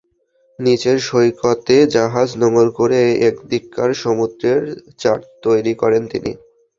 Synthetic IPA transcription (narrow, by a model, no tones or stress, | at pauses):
nit͡ɕeɾʃojkʰot̪ed͡ʑaɦad͡ʑnɔmolkoɾeekd̪ikːaɾʃomud̪ɾeɾt͡ɕaɾt̪ojɾikɔɾent̪ḭnḭ